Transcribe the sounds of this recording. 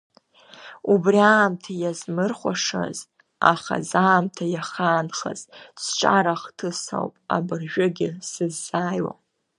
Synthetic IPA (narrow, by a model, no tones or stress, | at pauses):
ubriaːmtʰajazmɨrχʷaʂa̰z | aχa̰zaːmtʰajaχaːnχa̰z̥st͡ʃʷʼaɾaχtʰɨsa̰wpʼa̰bɨrʒᶣʊɡʲɪsɨzːaːjwa̰